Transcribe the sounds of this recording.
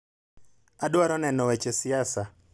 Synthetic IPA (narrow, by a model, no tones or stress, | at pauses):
adwaɾɔnɛnɔwɛt͡ʃɛsijasa